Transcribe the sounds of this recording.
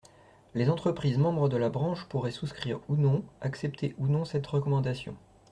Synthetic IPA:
lezɑ̃t̪χəpχizmɑ̃bʁəd̪əlabʁɑ̃ʃpuʁɛsuskχiʁunɔ̃aksɛp̚t̪ʰeʔunɔ̃sɛt̪ʁəkɔmɑ̃d̪asjɔ̰̃

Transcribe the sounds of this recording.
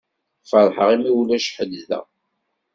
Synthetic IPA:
fəɾˤħəʁimiwlæʃħəd̪zðæ̰

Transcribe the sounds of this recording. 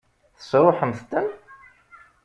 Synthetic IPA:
θə̥sɾˤoħəmθt̪ːən

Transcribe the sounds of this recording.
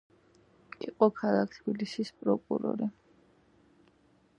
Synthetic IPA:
ḭqʼɔkʰalˠak̚ʰt̪ʰbilisispʼɾɔkʼṵɾɔ̰ɾi

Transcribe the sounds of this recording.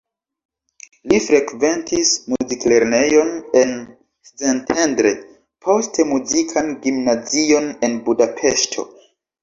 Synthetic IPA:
lifɾe̞kve̞ntismuzikle̞ɾne̞jo̞ne̞n | st͡sentʰe̞ndɾe | pʰo̞stʰe̞muzikʰanɡimnazio̞ne̞nbudapʰe̞ʃtʰo̞̰

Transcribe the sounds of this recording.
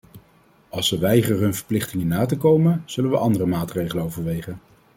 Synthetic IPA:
ɑlˠsʋəʋɛjχəɦɵnvəɹplɪχtɪŋənaːtəkowmənz̥ɵlənʋəʔɑndərəmaːtrejχələnowvəɹʋejχən

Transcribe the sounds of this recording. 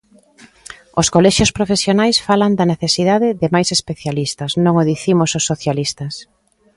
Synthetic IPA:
oskolɛʃjʊspɾofesjonajsfaland̪ɐneθesiðaðɪðɪmajsespeθjalist̪ɐsnõŋoðiθimʊsosːoθjalist̪ɐs

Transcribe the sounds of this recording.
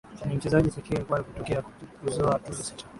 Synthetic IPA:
nim̩t͡ʃɛzaʄisakikwalikutɔkɛakuzɔatuisi̥t͡ʃa

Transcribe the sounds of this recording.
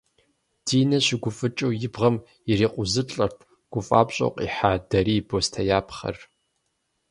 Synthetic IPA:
d̥iːnɐɕɪɡʷʊfɨt͡ʃʼɐwjɪbʁɐm | ɪriːqʷʊzɨt͡ɬʼɐrtʰ | ɡ̥ʷʊfʼa̰ːpɕʼɐ̰wqʼḭːħaːdɐɾiːbostʰɐjaːpʰχɐ̰r

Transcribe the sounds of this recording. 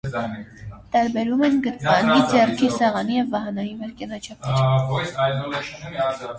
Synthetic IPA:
t̪ɑɾbɛɾumɛnɡət̪mɑnid͡zɛrkʰisɛʁɑnijɛvːɑɦɑnɑjivɛɾkɛnɑt͡ʃʰɑpiɾ

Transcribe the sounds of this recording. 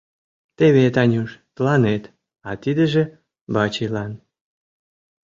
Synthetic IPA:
t̪eβet̪ɑnʲuʃt̪əlɑnet̪ | ɑt̪id̪ə̆ʒĕ | bɑt͡ɕilɑn

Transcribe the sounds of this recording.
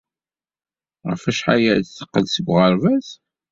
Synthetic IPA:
ʁəfæʃħa̰jæt͡sːə̥qːəlsəɡʷʁəɾvæz

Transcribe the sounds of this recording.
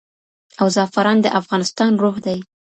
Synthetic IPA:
awzɑfaɾɑnd̪əʔafɣɑnɪst̪ɑnɾoɣd̪aj

